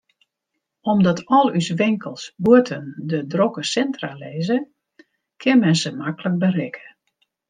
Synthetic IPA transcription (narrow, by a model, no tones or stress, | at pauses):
ɔmdɔtɔlˠysʋɪŋkəlˠsbuətʰəndədrokəsɛntralɛːzə | kʰɪnmɛnzəmakələk̚bərɪkʰə̥